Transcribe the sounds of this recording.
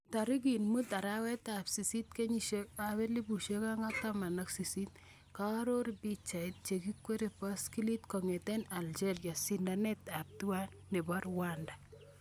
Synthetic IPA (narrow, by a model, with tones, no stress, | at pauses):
ta˨ɾi˦k̬i˨nmu˦ta˨ɾawɛ˦tapsi˨si˦t̚ke˦ɲiʃeaβɛ˦li˦bu˨ʃeka˦ŋa˦tama˨naksi˨si˦t | ka˦ɾo˦ɾbi˦t͡ʃa˨ɪt̚t͡ʃekikwe˦ɾepaski˦litkɔŋɛ˨tɛna˨ld͡ʒeɾja˨sindanɛtap̚tu˦wa˦nːɪ˨ba˦ɾwanda